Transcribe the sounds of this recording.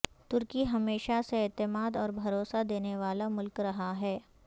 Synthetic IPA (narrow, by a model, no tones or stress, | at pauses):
t̪ʊɾkiɦɐmeːʃaseɛːt̪ɪmaːd̪ɔːɾbʱɐɾoːsad̪eːneʋaːlamʊlkɾɐɦaɦɛː